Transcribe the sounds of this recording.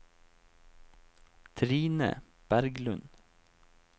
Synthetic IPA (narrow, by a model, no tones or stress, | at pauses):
t̪ʰɾiːnə̰ | b̥æɾɡlʉn